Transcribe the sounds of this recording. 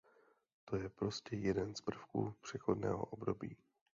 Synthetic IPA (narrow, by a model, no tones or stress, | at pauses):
t̪o̞jɛpɾo̞scɛjɛdɛnzpr̩fkṵpr̝̥ɛxo̞dnɛ̰ːɦo̞̰ʔobdo̞biː